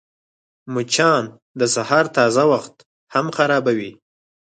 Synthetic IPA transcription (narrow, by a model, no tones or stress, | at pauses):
mʊt͡ʃɑn | d̪əsahɑɾt̪ɑzawaxt̪ | hamxaɾɑbawi